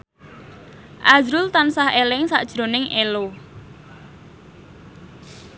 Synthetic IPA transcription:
ʔazɾʊlt̪ansahelɪŋsa̰ʔd̥ʒ̥ɾo̤nɪŋelo

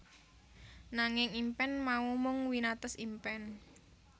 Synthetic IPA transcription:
naŋɪŋimpɛnmaumʊŋwinat̪ɔsimpɛn

